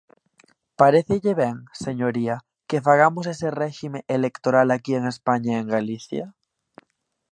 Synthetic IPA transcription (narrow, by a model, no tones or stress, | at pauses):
paɾeθeʎeβeŋse̞ɲoɾia | kefaɣ̞amos̬esereximẽʔelekt̪oɾalakie̞ŋe̞spaɲaeŋɡaliθja